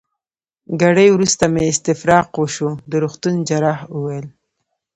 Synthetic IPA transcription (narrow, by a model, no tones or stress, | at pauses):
ɡaɽəjwɾust̪ameɪst̪ɪfɾɑqwəʃud̪əɾuxt̪und͡ʒaɾɑhuwajəl